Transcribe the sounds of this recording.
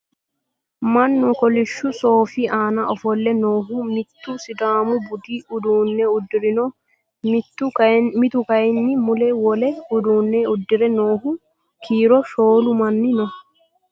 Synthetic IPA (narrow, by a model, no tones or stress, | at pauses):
mɐnːʊkɔlɪʃːʊsoːfiaːnɐɔfɔlːɛnoːɦʊmɪt̪ːʊsɪd̪aːmʊbʊd̪iʔʊd̪uːnːɛʊd̪ːɪɾɪnɔ | mɪt̪ːʊkɐmɪt̪ʊkɐɛnːɪmʊlɛwɔlɛʊd̪uːnːɛʊd̪ːɪɾɛnoːhʊ | kʰiːɾɔʃoːlʊmɐnːɪnɔ